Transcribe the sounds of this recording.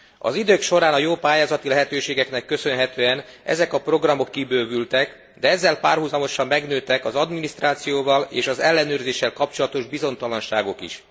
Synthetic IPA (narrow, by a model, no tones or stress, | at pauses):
ɒ̰zid̪øːkʃo̞ɾaːnɒjoːpaːjaːzɒt̪ilɛɦɛt̪øːʃeːɡɛknɛkːø̞sø̞nɦɛt̪øːɛnɛ̰zɛkɒpro̞ɡrɒmo̞kːibøːvylt̪ɛk | d̪ɛɛzːɛlpaːrɦuzɒmo̞ʃɒmːɛɡnøːt̪ɛkɒzɒd̪minist̪raːt̪sijoːvɒleːʃɒzɛlːɛnøːrzeːʃːɛlkɒp̚t͡ʃo̞lɒt̪o̞ʒbizo̞nt̪ɒlɒnʃaːɡo̞kḭʃ